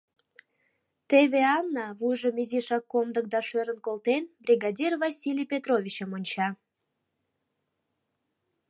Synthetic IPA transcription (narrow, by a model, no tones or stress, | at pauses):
t̪eβeɑnːɑβujʒəmyzʲiʃɑkːomd̪ək̚d̪ɑʃøɾənkolt̪enbrʲiɡɑd̪ʲirvɑsʲilʲijpʲet̪rovʲit͡ɕəmonʲt͡ɕɑ